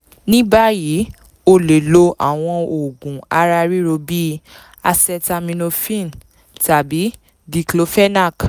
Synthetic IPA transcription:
nĩ˦ba˦ji˨˦ | o˧le˨lo˧ʔa̰˦˨w̃ɔ̃˧o˨ɡũ˨a˧ɾa˧ɾi˦ɾo˧bi˦ | a˧sɛ˧ta˧mĩ˧no˧fĩ˦˨n | ta˨bi˨˦ | di˧klo˦fɛ˦na˦˨k

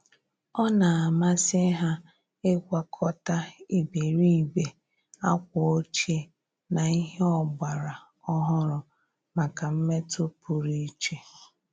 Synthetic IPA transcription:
ɔ˦na˨a˨ma˦sɪ˦ɦa˦ | e˦kʷa˦kʰɔ˦ta˦i˨be˨ɾi˦˨be˨ | a˦kʷɔ˨o˦t͡ʃe˦ | na˨i˦ɦe˦ɔ˦ba˨ɾa˨ | ɔ˦ɦɔ˦ɾʊ˨ | ma˨ka˨m̩˦me˦to˦pu˨ɾi˦t͡ʃe˦

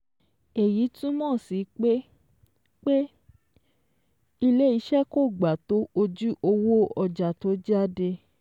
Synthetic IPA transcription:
e˨ji˨˦tũ˦mɔ̃ː˦˨si˨˦k͡pe˦ | k͡pe˦ | i˧le˦i˨˧˦ʃɛ˦ko˦˨ɡ͡ba˨to˦o˧d͡ʒu˦ʔo˧wo˦ɔ˧d͡ʒa˨to˨˦d͡ʒa˦de˧

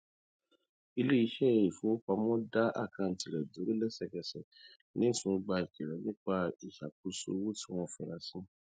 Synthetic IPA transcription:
i˧le˦i˧˦ʃɛ˦˨i˨fo˨˦o˦k͡pa˧mɔ̃˦da˦a̰˦˨ka˧˨n̩˨ti˨ɾɛ˨do˨˦ɾe˦lɛ˦sɛ˧˨kɛ˧˨sɛ˨ | nĩ˦˨sũ˨˧˦ɡ͡ba˧i˨ki˨ɾɛ˨˦nĩ˦k͡pa˦i˨ʃa˨k̚u˨˦so̰˧˦wo˦ti˦w̃ɔ̃˦˨fɛ̃˨ɾa˧sĩ˦

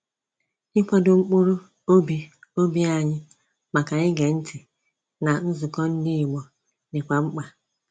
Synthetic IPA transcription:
ɪ˦kʷa˦do˨ŋ͡m̩˦k͡pʊ˦ɾʊ˦ | o˦bi˨o˦bi˦a˦˨ɲɪ˦ | ma˨ka˨ɲɪ˦ɡe˨n̩˦tʰɪ˨ | na˨n̩˦zʊ˨kɔ˦n̩˦ni˦i˨mɔ˨ | nɪ˨kʷa˨ŋ͡m̩˦k͡pa˨

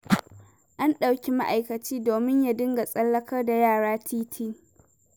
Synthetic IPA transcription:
ʔa˦nɗa˨wkʲi˦ma˦ʔa˨jkɐ˨t͡ʃiː˦doː˨mɪ˦ɲja˦dɪ˦ŋɡa˨sʼɐ˦lːɐ˦kʰɐ˦rda˨jaː˦˨ɽaː˦tʰiː˦tʰɪ˦˨ŋ

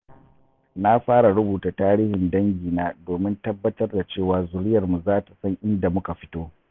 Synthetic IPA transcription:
na˦ɸaː˦ɽa˨ɽʊ˦buː˨ta˨taː˦ɾiː˦hɪ˨ndɐ˦ŋɡʲiː˨naː˦doː˨mɪ˦ntɐ˦bːɐ˦tɐ˦rda˨t͡ʃeː˦˨waː˨zʊ˨ɾɪ˦jɐ˨rmu˨zaː˦ta˨sɐ˦ŋʔɪ˦nda˨mʊ˦ka˨ɸɪ̥˦toː˦

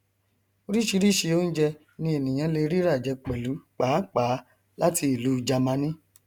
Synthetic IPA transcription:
o˧ɾi˦ʃi˧ɾi˦ʃi˧o˦n̩˦d͡ʒɛ˧ | nĩ˧e˨nĩ˨j̃ã˨˧˦le˧ɾi˦ɾa˦˨d͡ʒɛ˨˧k͡pɛ˨lu˨˦k͡paː˨˦k͡paː˨˦ | la˦ti˧i˨lu˦d͡ʒa˧mã˧˦nĩ˦

